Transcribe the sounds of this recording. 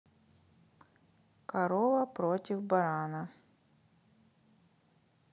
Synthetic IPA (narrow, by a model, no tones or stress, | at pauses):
kɐɾovəpɾotʲɪvbɐɾanə